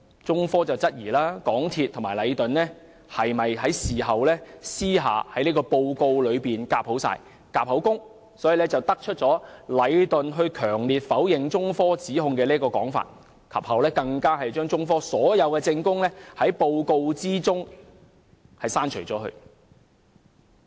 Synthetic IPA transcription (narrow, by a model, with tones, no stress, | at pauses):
t͡sʊ˥ŋfɔː˥t͡sɐ˨wt͡sɐ˥t̚jiː˨˩laː˥kɔː˨˥ŋt̪ʰiː˧t̪ʰʊ˨˩ŋmaː˨˩jlɐ˨˧jt̪ɵ˨nlɛː˥ | hɐ˨jmɐ˨jɦɐ˨˥jsiː˨ɦɐ˨wlɛː˥siː˥ɦa̰ː˨hɐ˨˥jniː˥kɔː˧po˧wko˧wlɵ˨˧ɥpiː˨nkaː˧p̚ho˨˥wsa̰ː˧j | kaː˧p̚hɐ˨˥wkʊ˥ŋ | sɔː˨˥jiː˨˩lɛ˥t͡sɐ˨wt̪ɐ˥k̚t͡ʃʰɵ˥t̚t͡ʃɔː˨˥lɐ˨˧jt̪ɵ˨nɦɵ˧ɥkʰœː˨˩ŋliː˨t̚fɐ˨˥wjɪ˨ŋt͡sʊ˥ŋfɔː˥t͡siː˨˥ɦʊ˧ŋkɛː˧liː˥kɔː˧kɔː˨˥ŋfa̰ː˨t̚ | kʰɐ̰˨p̚hɐ˨˥wlɛː˥kɐ˧ŋkaː˥ɦɐ˨jt͡ʃœː˥ŋt͡sʊ˥ŋfɔː˥sɔː˨˥jɐ˨˧wkɛː˧t͡sɪ˧ŋkʊ˥ŋlɛː˥hɐ˨˥jpo˧wko˧wt͡siː˥t͡sʊ˥ŋ | hɐ˨jsaː˥nt͡ʃʰɵ˨˩jt͡sɔ̰ː˨˥hɵ̰˧ɥ